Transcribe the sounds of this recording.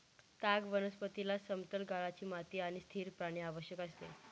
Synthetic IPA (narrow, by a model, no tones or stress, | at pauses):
t̪aɡʋənəspət̪ilasəmt̪əlɡaɭat͡ɕiːmat̪iːaɽ̃ist̪ʰiːɾpɾaɽ̃iaʋəɕjəkast̪e